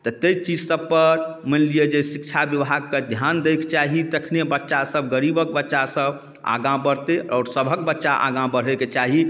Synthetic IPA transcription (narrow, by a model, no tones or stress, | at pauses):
t̪ət̪əjt͡ʃid͡ʒsəb̚pəɾmənlijed͡ʒesikt͡ʃʰabjəʋɦaɡ̚ked̪ʱjand̪ejkt͡ʃaɦit̪əkʰnebətːʃasəbɡəɾibək̚bətːʃasəb | a̰ɡãbəɾt̪eʔɔːɾsəbʱəkbətːʃaʔa̰ɡãbəɽ̤eket͡ʃaɦi